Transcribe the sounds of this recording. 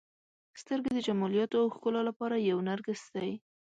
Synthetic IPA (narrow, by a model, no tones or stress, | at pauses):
st̪əɾɡed̪əd͡ʒamɑljɑt̪oawxkəlolapɑɾajawnaɾɡəst̪d̪aj